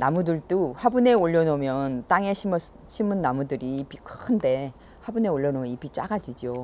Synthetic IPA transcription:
namudɯɭt͈uɸabune̞oʎːʌnomjʌnt͈aŋe̞ɕʰimʌ | ɕʰimɯnːamudɯɾiːp͈ikʰɯɯnde̞ | habune̞oɭːʌnomjʌnip͈it͡ɕ͈a̰ɡad͡ʑid͡ʑjo

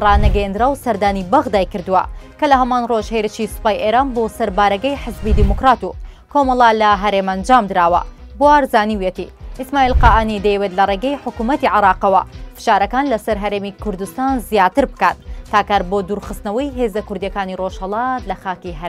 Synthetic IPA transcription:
rɑːnɐɡɐjend̪ɾaːwsɐɾd̪aːnibɐɣd̪aːjkɨɾd̪ɨwɐ̰kɐlɐɦɐmaːnroʒheɾɨʃisɨ̥paːjʔeːɾaːnbosɐɾbaːɾɐɡɐjħəzbid̪imukɾaːt̪u | komɐlˠalɐɦɐɾeːmɐnd͡ʒaːmd̪ɨɾaːwɐ̰ | buwaːɾzaːniwjet̪ḭʔismaːʔiːlqaʔanid̪ɐjɛwet̪lɐreːɡɐjħʊkumɐt̪iʕɪɾɑːqɐwɐ̰fɨ̥ʃaːɾɐkaːnlɐsɐɾɦɐɾeːmikʊɾd̪ust̪aːnzijaːt̪ɨɾbɨkat̪ːaːkaːɾbod̪uɾxɨst̪nɐwɐjɦeːzɐkʊɾd̪jɐkaːniroʒhɐlˠɑːt̪lɐxaːkiɦɐɾ

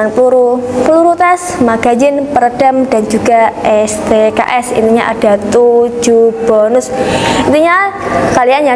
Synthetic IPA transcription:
ŋt̪uɾukəluɾut̪asmaɡ̥ad͡ʒɪnpəɾəd̥amdand͡ʒuɡaɛst̪eka̰ʔɛsḭnt̪iɲaʔa̰d̥at̪ud͡ʒub̥ɔnʊsint̪iɲakalianɲa

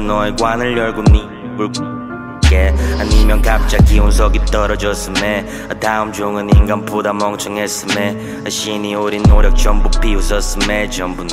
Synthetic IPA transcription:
nʌikwanɯɭjʌɭɡumni | ɡuɭk | kehanimjʌnkap̚t͡ɕ͈akiuns̬ʰʌɡit͈ʌɾʌd͡ʑʌs͈ɯme | ataɯmd͡ʑoŋɯniŋɡanpodamʌŋt͡ɕʰɯŋɦes͈ɯme | aɕinioɾinːoɾjʌk̚t͡ɕʌmbupʰiusʌs͈ɯmet͡ɕʌmbun

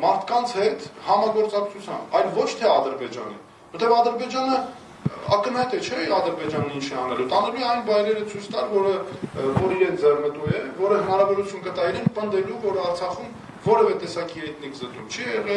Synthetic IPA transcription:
mɑɾt̪ʰkɑnt͡sʰhɛt̪ʰhɑmɑɡɔɾt͡sɑkt͡sʰut͡sʰjɑ̰mbɑjlvɔt͡ʃʰt̪ʰɛɑd̪əɾbɛd͡ʒɑ̰nḭn | vəɾt̪ɛvɑd̪əɾbɛd͡ʒɑnə | ɑ̰kənhɑjt̪ɛt͡ʃʰɛɑd̪əɾbɛd͡ʒɑnint͡ʃʰɛɑnɛlut̪ɑnɛlujɛɑjnbɑjɾɛɾət͡sʰujt͡sʰt̪ɑlvɔɾəvɔɾiɾɛnd͡zɛrnət̪ujɛvɔɾəɦənɑɾɑvɔɾut͡sʰjunkət̪ɑiɾɛnpənd̪ɛluvɔɾɑɾt͡sʰɑχum | vɔɾɛvɛt̪ɛsɑkiɦɛjt̪nikʰzət̪umt͡ʃʰɛjɛʁɛ

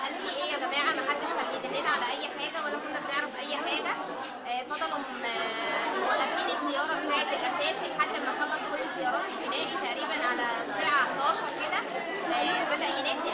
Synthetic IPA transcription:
ʔælfiːʔejːæɡæmæːʕamæħad̪ːeʃkælːiːd̪elːenæʕalæʔæjːħaːɡæwælːækonːæbeneʕɾæfʔæjːħaːɡæ | fɑd̪ˤɑlɑmm | wæʔʔæfiːnezːejːɑːɾˤɑbet̪aːʕet̪elʔæsæːsilħat̪ːæʔemæxɑlːɑsˤulezejːɑːɾˤɑːt̪benæːʔit̪æʔɾiːbænʕalæsbiːʕaʔħd̪ɑːʃɑɾˤked̪æ | bæd̪æʔjenæːd̪i

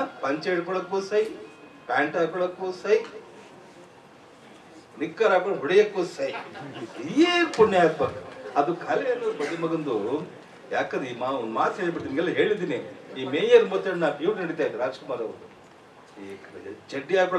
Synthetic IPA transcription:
pɐɲt͡ʃeɽkɔɭɐkːoːsɐji | kaːɳʈaːkɔɭɐkːosɐj | nikːaɾaːkɔɳɖɦuɽijɐkːosɐjijeːpunːɛaːɡ̚bɐɐd̪ukʰɐlɛjɐnːɐɾubɐd̪imɐɡɐnd̪u | jaːkɐnd̪iːmaond̪maːt̪seːɭbiɽt̪ːinɡɛlːɐɦe̞ːɭid̪iːniiːmeːjɐɾmɔt̪ːeɽnaːpjuːʈnɐɽit̪aːjd̪iɾaːd͡ʒkumaːɾɐʋu | t͡ʃeɖːiaːkɔɭ

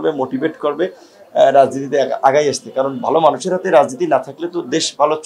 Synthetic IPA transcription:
bemoʈibeʈkoɾbe | ɾad͡ʑnit̪it̪eaɡajaʃt̪ʰekaɾonbʱalomanuʃeɾɦat̪eɾad͡ʑnit̪inat̪ʰaklet̪od̪eʃbʱalot͡ɕ

